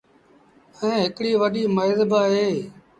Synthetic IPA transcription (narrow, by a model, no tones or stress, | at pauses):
ɛ̃ːɦɪkɽiːʋəɗiːməɪzbaːɦeː